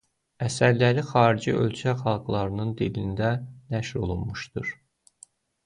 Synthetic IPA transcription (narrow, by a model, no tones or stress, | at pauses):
æsæɾlæɾixɑːɾid͡ʒiʔø̞̰lt͡ʃʰæxɑlˠɡlˠɑɾɯnɯnd̪ilind̪ænæʃɾo̞̰lˠunmuʃd̪ɯɾ̥